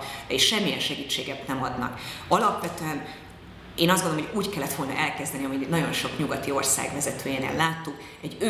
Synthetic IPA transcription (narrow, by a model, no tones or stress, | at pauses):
d̪ɛiʃʃɛmːijɛnʃɛɡiːt͡ʃːeːɡɛt̪nɛmɒd̪nɒ̰kɒlɒpʋɛt̪øɛn | eːnɒzdɡonooɦoɟuːckɛlːɛt̪ʋo̞lnɒ̰ʔɛlkɛzd̪ɛniɒminɒɟo̞nʃo̞kɲuɡɒt̪io̞rsa̰ːɡʋɛzɛt̪øːjeːnḛːlːaːt̪ːuk | ɛɟːø